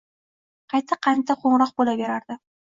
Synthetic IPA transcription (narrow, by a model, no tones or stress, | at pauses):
qʰɑjt̪ʰɪqʰɑnt̪ʰaqʰoɴɾɒq̚bolabe̞ɾaɾd̪ɪ